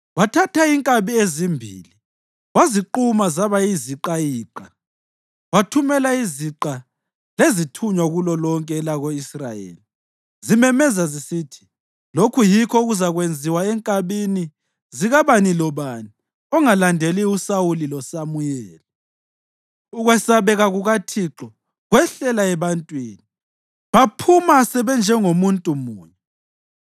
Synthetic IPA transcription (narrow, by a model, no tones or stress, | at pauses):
watʰatʰaiŋkʼaβiezimbʱḭːli | ɣwaziǃumazaβaiziǃajiːǃa | watʰumɛlaiziǃa | lezitʰuɲwaɣulɔlɔŋkʼɛlaɣoisra̰jḛːli | zimɛmɛzazisitʰi̥ | lokʰujikʰɔɣuzaɣwend͡zʱiwaɛŋkʼaβini | ziɣaβanilɔβani | ɔŋalandʱeliusawulilɔsamujɛːli | uɣwɛsaβɛɣaɣuɣatʰiǁɔ | ɣwɛɬɛlaɛβantʼwiːni | βapʰumasɛβɛnd͡ʒʱɛŋomuntʼumuːɲɛ